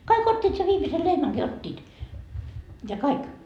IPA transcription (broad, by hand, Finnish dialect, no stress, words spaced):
kɑik otʲːiːt se ʋiːmise lehmæŋki otʲːiːt jɑ kɑik